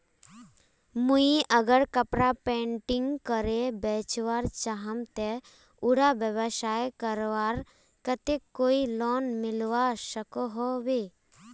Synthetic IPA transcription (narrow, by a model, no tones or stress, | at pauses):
muiʔəɡəɾkəpɾapẽːɳʈɪŋɡkəɾebɛːt͡ʃʋaːɾt͡ʃaɦəmt̪e | uɽabjəbəʃaːjkəɾʋaːɾ | kət̪ekːoːilɔːnmɪlʋaʃəkoɦoʋeː